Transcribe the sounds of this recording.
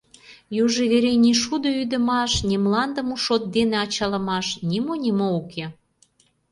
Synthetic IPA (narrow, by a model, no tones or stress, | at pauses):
juʒeβeɾenʲiʃud̪oyd̪ə̆mɑʃnʲimlɑnd̪ə̆muʃot̪̚d̪enĕɑt͡ɕɑlə̆mɑʃnʲimonʲimoukʰe